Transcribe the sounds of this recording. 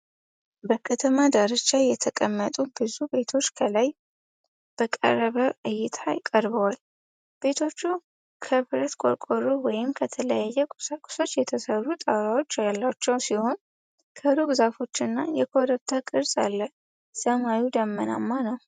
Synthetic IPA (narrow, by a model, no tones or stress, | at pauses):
bəkʰət̪ʰəmad̪əɾət͡ʃːajɛt̪ʰəkʼəmːət̪ʼubɨzube̞t̪ʰo̞t͡ʃːkʰəlaj | b̥əkʼə̰ɾəβəʔɨjːɪt̪ʰajɪkʼəɾbəwal | b̥e̞t̪ʰo̞t͡ʃːu | kʰəβɾət̪kʼo̰ɾkʼoɾowɔjɪmkʰət̪ʰələjajːɛkʼʊ̥sakʼu̥so̞t͡ʃːjɛt̪ʰəsəɾːut̪ʼawɾawo̞t͡ʃːajɛlːat͡ʃːɛwsiho̞n | kʰəɾoɡzafo̞t͡ʃːɨnːajɛkʰo̞ɾəbt̪ʰakʼɨɾsʼalːə | səmajud̪əmːəna̰mːanəw